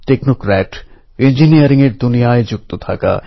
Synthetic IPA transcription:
ʈeknokɾɛʈ | end͡ʑiniɐɾiŋeɾd̪unijaed͡ʑuk̚t̪ot̪ʰaka̰

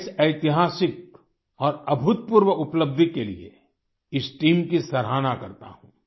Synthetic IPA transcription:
sɐɪt̪ɪɦaːsɪk̚ | ɔːɾɐbʱʊt̪̚puɾwəʔʊpləb̚d̪ʱikelḭḛ | ɪsʈiːmkisɐɾɦaːnakɐɾt̪a̰ɦũː

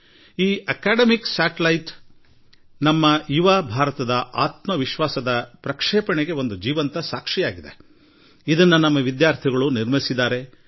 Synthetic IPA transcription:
iːʔɐkaːɖɐmiksaːʈɐlɐjʈ | nɐmːɐjuʋabʱaːɾɐt̪ɐd̪ɐʔaːt̪mɐʋiʃʋaːsɐd̪ɐpɾɐkʂɛːpɐɳeɡe̞o̞nd̪ud͡ʒiːʋɐnt̪ɐsaːkʂijaːɡid̪e | id̪ɐnːɐnɐmːɐʋid̪jaːɾt̪ʰiɡɐɭuniɾmisid̪ːaːɾe̞

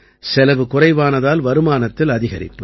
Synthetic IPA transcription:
sɛlɐʋɯkʊrɐɪʋaːnɐðaːlʋɐɾɯmaːnɐt̪ːɪlɐðɪɣɐɾɪ̰pːɯ

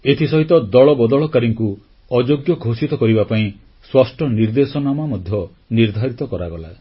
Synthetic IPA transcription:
et̪ʰisɔɦit̪ɔd̪ɔɭɔbɔd̪ɔɭɔkaɾiŋku | ɔd͡ʒoɡjɔɡʱosit̪ɔkɔɾibapaĩ | swasʈʰɔniɾd̪esɔnamamɔd̪ʱjɔ | niɾd̪ʱaɾit̪ɔkɔɾaɡɔla

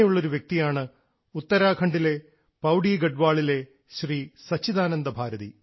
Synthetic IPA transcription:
juɭːo̞ɾuʋjek̚t̪ijaːɳɨ | ut̪ːɐɾaːkʰɐɳɖile̞ | pɐwɖiːɡɐɖʋaːɭile̞ | ɕriːsɐt͡ɕːiðaːnɐnd̪ɐbʱaːɾɐðḭ

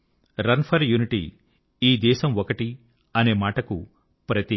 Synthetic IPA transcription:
ɾɐnpʰɐɾjuːniʈḭ | iːd̪ɛːʃɐmɔkɐʈi | ɐne̞ːmaːʈɐkṵ | pɾɐt̪i

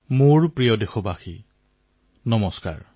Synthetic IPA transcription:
moɹpɹijɔdexɔbaxi | nɔmɔska̰ɹ

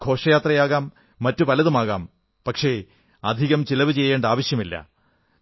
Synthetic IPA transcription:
ɡʰʱo̞ːʂɐjaːt̪rɐjaːɣaːmː | ɐtːupɐlɐðumaːɣaːm | pɐkʂe̞ | ɐd̪ʱiɣɐmt͡ɕilɐʋɨt͡ɕe̞jːeːɳɖaːʋɐɕjɐmilːɐ̰

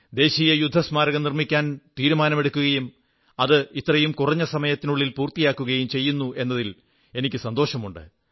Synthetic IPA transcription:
d̪e̞ːɕijɐjud̪ʱːɐsmaːɾɐɣɐmnirmikʲːaːnt̪iːɾumaːnɐme̞ɽukʲːuɣɐjum | ɐðɨit̪ːrɐjumkurɐɲːɐsɐmɐjɐt̪ːinuɭːilpuːrt̪ijaːkːuɣɐjumt͡ɕe̞jːunːuʔe̞nːɐðil | e̞nikʲːɨsɐnd̪o̞ːɕɐmuɳɖɨ̰

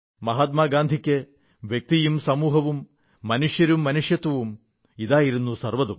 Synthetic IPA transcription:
mɐɦaːt̪̚maːɡaːnd̪ʱikʲːe | ʋjɐk̚t̪ijumsɐmuːɦɐʋumː | ɐnuʂjɐɾumːɐnuʂjɐt̪ʋɐʋum | iðaːjiɾunːusɐrʋɐðum

